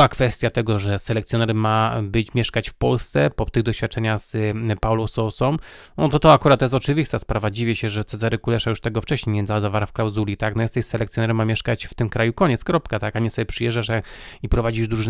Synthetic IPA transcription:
akfɛst̪ʲjat̪ɛɡɔʐɛsɛlɛkt̪sjɔnɛɾmːabɘt͡ɕmʲjɛʂkat͡ɕfpɔlst̪sɛpɔt̪ɘɣd̪ɔɕfʲjat̪̚t͡ʂɛɲaxz̥pawlɔ̃wsɔsɔm | nɔt̪ɔt̪ɔakuɾat̪ːɔjɛst̪ɔt͡ʂɘvʲist̪aspɾavad͡ʑivʲɛɕɛʐɛt̪sɛzaɾɛkulɛʂajuʂt̪ɛɡɔft͡ʂɛɕɲejɲʲɛnzazavaɾafklawzulʲit̪aknɔjɛst̪ɛɕsɛlɛkt̪sʲjɔnɛɾɛmːamʲjɛʂkat͡ɕft̪ɘmkɾajukɔɲɛt̪skɾɔpkat̪akaɲɛsɔbʲɛpʂɨjɛʐd͡ʒaʂaipɾɔvad͡ʑiʐd̪ɾuʐ

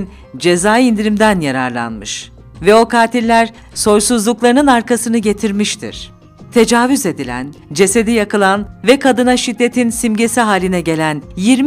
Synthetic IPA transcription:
n | d͡ʒe̞zaːind̪iɾimd̪ænjaɾa̰ɾlˠa̰nmɯʃ | vɛo̞kʰaːt̪ʰilʲːæɾ | so̞ɾsuzlˠuklˠaɾɯnɯnaɾkasɯnɯɟe̞t̪ʰiɾmiʃt̪ʰḭɾ̥ | t̪ʰe̞d͡ʒaːvyze̞d̪ilʲæ̰nd͡ʒe̞se̞d̪ijakɯlˠanvɛkʰad̪ɯnaʃid̪ːe̞t̪ʰinsimɟe̞siɦaːlʲinɛɟe̞lʲænjiɾm

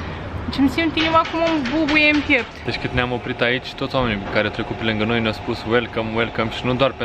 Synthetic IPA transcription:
t͡ʃimsĩmt̪iɲumakomõmbubuemt̪epd̪eʃkɨt̪neamopɾit̪ait͡ʃt̪ot̪swamenkaɾeɐt̪ɾekupeɾlɨ̃ŋɡɐnojnospuswelˠkɐmwelˠkɐmʃnũd̪waɾpẽ

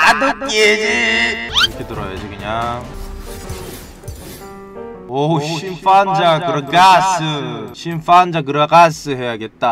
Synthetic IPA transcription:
adoed͡ʑiiɾʌkʰetɯɾʌjad͡ʑikɯɲaŋ | oɕʰinfand͡ʑakɯɾʌkasɯɕʰinfand͡ʑak̬ɯɾʌɡas͈ɯɦejaɡe̞t̚t͈a

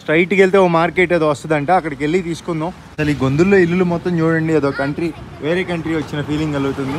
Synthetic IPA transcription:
sʈɾɐjʈkeɭit̪eːoːmaːɾkeːʈːeːd̪oːʋɐst̪ɐd̪ɐɳʈeːɐkːɐɽɐkelːit̪iːsu̥kunːoː | ɐsɐliːɡond̪ulːo̞ːilːulumɔt̪ːɐmt͡ʃuːɽɐɳɖieːd̪o̞ːkɐɳʈɾiʋe̞ːɾe̞ːkɐɳʈɾiːʋɐt͡ʃːinɐpʰiːliŋɡɐlɡut̪und̪i

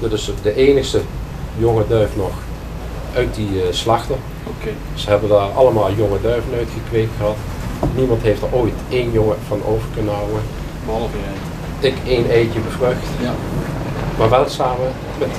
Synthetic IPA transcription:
d̥ɑtɪsdəʔeːnəxstə | joŋədœɥfnɔχ | œɥt̚dislɑxtə | k | səɦɛbəndaːɹɑ̰lˠəmaːlˠjoŋədœɥvənœɥtχəkʋejk̚tχəɦɑt | nimɑntɦejftəɹoːjtejnjɔŋəv̥ɑno̰wvəɹkɵnəɦʌwən | ɪkejnejtəbəvløxt | maːɹʋɛlˠsaːmə | mɛt

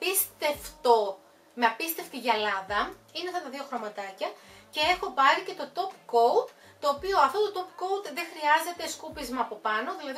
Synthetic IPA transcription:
pist̪eft̪o | me̞ɐpist̪e̞ft̪iʝɐlɐðɐ | ineɐft̪ɐt̪ɐðio̞xɾo̞mɐt̪ɐcɐce̞e̞xo̞pɐɾice̞t̪o̞t̪o̞pko̞wt̪ | t̪o̞ːpio̞ɐft̪o̞t̪ot̪o̞pko̞wt̪ðe̞xɾiɐze̞t̪e̞skupizmɐːpo̞pɐno̞ðilɐði

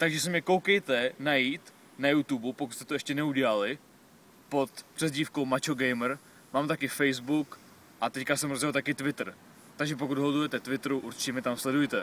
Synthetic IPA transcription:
t̪aɡʒɛs̬ɪmɲɛkowkɛjt̪ɛnajiːt̪ | najut̪ubupo̞kut̪st̪ɛt̪oɛʃcɛnɛuɟɛlalɪ | po̞t̪pr̥ɛzɟiːfkowmat͡ʃoɡɛjmɾ | maːmt̪akɪfɛjzbuk | ʔat̪ɛckasɛmɾozjɛlt̪akɪt̪vɪt̪r̩ | t̪aɡʒɛp̬okud̪ɦot̪ujɛt̪ɛt̪vɪt̪ɾuʔuɾt͡ʃɪ̥cɛmɲɛt̪amslɛdujɛt̪ɛ

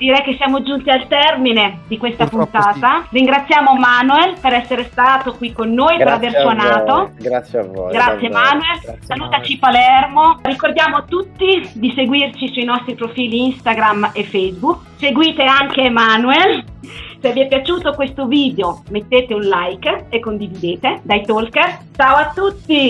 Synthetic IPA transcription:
d̪iɾɛjk̟esːjaːmod͡ʒunt̪ialt̪ɛrmined̪ikwest̪apunt̪aːt̪ariŋɡɾat̪sːjaːmomanuelpeɾɛsːeɾest̪aːt̪okwikːonːoːjpeɾaversanaːt̪oɡɾɡɾat̪sːjemanuelsaluːt̪at͡ʃipalɛrmorikord̪jaːmot̪ut̪ːid̪iseɡwirt͡ʃisuinɔst̪ɾipɾofiːliinst̪aɡɾamefːɛjzbuk | seɡwiːt̪eaŋkemanuelsevːiɛpːjat͡ʃuːt̪okwest̪oviːd̪eomet̪ːeːt̪eunlajkekːond̪ivid̪eːt̪ed̪ajt̪olkert͡ʃaːwat̪ːut̪ːi

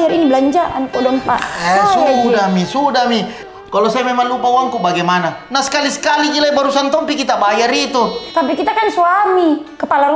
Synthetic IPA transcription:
jaɾinibəlaɲd͡ʒaʔa̰nkɔdɔmpa̰sudamisudami | kalosajamemaŋlupawaŋkubaɡɛmananasə̥kalisə̥kaliɡilabaɾusant̪ɔmpikit̪abajaɾit̪ut̪apikit̪akansuamikəpalaɾ

